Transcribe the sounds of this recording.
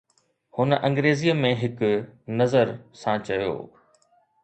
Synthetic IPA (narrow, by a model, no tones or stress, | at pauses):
hʊnəʔɐ̃ŋɡɾeːzijəmẽɦɪkʊnɐzəɾsãt͡ɕɐjo̰ː